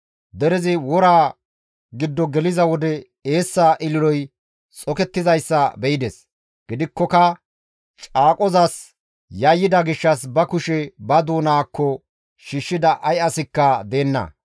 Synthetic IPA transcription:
d̪ɛɾɛzɪwɔɾaː | ɡɪd̪ːɔɡɛlɪzɐwɔd̪ɛ | e̞ːsːaʔɪlɪɾɔj | t͡sʼɔkɛt̪ːɪzɐjsːɐbɛjɪd̪ɛs | ɡ̥ɪd̪ɪkːɔkɐ | t͡ʃʼaːkʼɔzɐs | jɐjːɪd̪ɐɡɪʃːɐsbɐkʊʃɛbɐd̪uːnaːkːɔ | ʃiʃːɪd̪ɐʔɐjɐsɪkːɐd̪e̞ːnːɐ̰

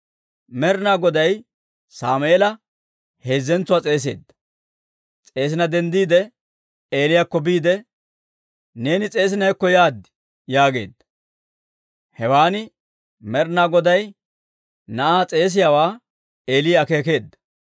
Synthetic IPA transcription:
mɛɾnaːɡɔd̪ɐj | saːmʔlɐ | he̞ːzːɛnt͡sːʊwaːt͡sʼe̞ːs̬e̞̰ːd̪ːɐ̥ | t͡sʼe̞ːs̬ɪnɐd̪ɛnd̪iːd̪ɛ | eːlɪjakːɔbiːd̪ɛ | ne̞ːnɪt͡sʼe̞ːs̬ɪnɐjkːɔjaːd̪ | jaːɡe̞̰ːd̪ːɐ̥ | hɛwaːnɪ | mɛɾnaːɡɔd̪ɐj | nɐʔaːt͡sʼe̞ːs̬ɪjaːwaː | e̞ːlɪjaːkeːk̬e̞ːd̪ːɐ̥

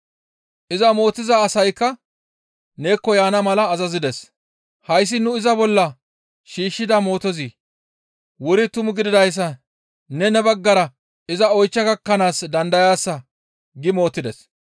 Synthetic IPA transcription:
ʔɪzɐmo̞ːt̪ːɪzaːsɐjkːɐ | ne̞ːkːɔjaːnɐmɐlɐːzɐzɪd̪ɛs | hɐjs̬ːɪnʊɪzɐbɔlːɐ | ʃiːʃːɪd̪ɐmo̞ːt̪ɔzi | wʊɾɪt̪ʊmʊɡɪd̪ɪd̪ɐjs̬ːɐ | nɛnɛbɐɡːɐɾɐ | ɪzɐɔjt͡ʃːɐɡɐkːɐnaːsd̪ɐnd̪ɐjaːsːɐ | ɡɪmo̞ːt̪ːɪd̪ɛs

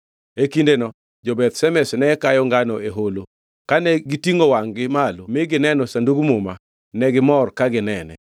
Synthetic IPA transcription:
ekindenɔ | d͡ʒobɛt̪sɛmɛsnɛkajɔŋɡanɔeɦolo | kanɛɡɪtiŋɡowaŋɡɪmalomɪɡɪnɛnɔsanduɡmʊma | nɛɡɪmɔrkaɡɪnɛnɛ̰

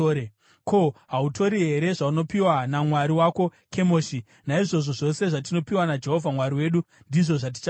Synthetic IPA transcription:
e | ko̞ɦauto̞ɾiɦe̞ɾe̞ʐauno̞piwanamwaɾiwako̞kʰe̞moːʃi | naiʐo̞ʐo̞ʐo̞se̞ʐat̬ino̞piwanad͡ʒe̞ɦo̞vʱamwaɾiwe̞ːɗu | ndiʐo̞ʐat̬i̥t͡ʃ

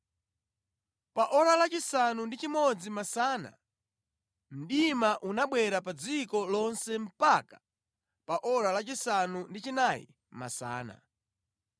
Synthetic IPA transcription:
paʔɔɾalat͡ʃisanundit͡ʃimɔd͡zimasaːna̰ | m̩ɗimaʔunaɓwɛɾapad͡zikɔlɔnsɛm̩pakḁ | paʔɔɾalat͡ʃisanundit͡ʃinajḭ | ma̰sa̰ːna̰

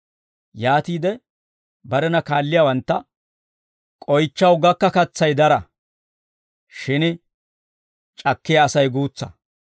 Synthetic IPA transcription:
jaːt̪iːd̪ɛ | bɐɾɛnɐkaːlːɪjawɐnt̪ːɐ | kʼɔjt͡ʃːɐwɡɐkːɐkɐt͡sːɐjd̪ɐɾɐ | ʃɪnɪ | t͡ʃʼɐkːɪjɐːsɐjɡuːt͡sːɐ̰

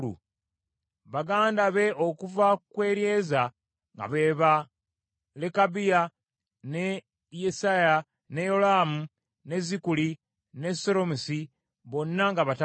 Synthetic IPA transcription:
ṵ | βaɡaːndaβe̞ʔo̞kuvakwe̞ːɾje̞ːza | ŋɡa̰βe̞ːβa | lekabija | ne | jesaja | nejo̞laːmu | ne̞zikuli | ne̞so̞ɾo̞musi | βo̞nːaŋɡaβata

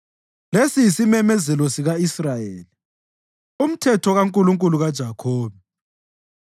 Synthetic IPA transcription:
lesijsimɛmɛzɛlɔsiɣaisrajeːli | um̩tʰɛtʰɔɣaŋkʼuluŋkʼuluɣad̥ʒ̥ʱakʰoːβɛ

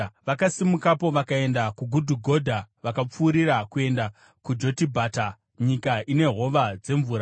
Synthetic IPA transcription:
ʋakasimukapo̞ʋakae̞ndakuɡʱudʱuɡʱo̞dʱaʋakap͡fuːɾiɾakue̞nda | kud͡ʒo̞tibʱaːta | ɲikaʔine̞ɦo̞ʋad͡ze̞ɱvuːɾa

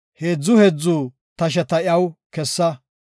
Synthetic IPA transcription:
heːd͡zːʊhed͡zːuː | t̪ɐʃ̬ɛt̪ɐʔɪɐwkɛsːɐ

